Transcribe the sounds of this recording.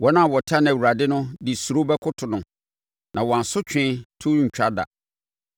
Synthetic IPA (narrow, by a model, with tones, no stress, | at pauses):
wɔ˦nã˦˨wɔ˨tʰɪ˦a˦ñ˨wu˨ɾa˨dɪ˦nʊ̃˦di˨su˨ɾo˦bɛ˦kʰʊ˦tʰʊ˨nʊ̃˨ | nʔã˨wɔ˨a˨sʊ˦t͡ɕᶣɪ̃˦tʰʊ˦ɲ̩ᶣ˨a˦da̰˨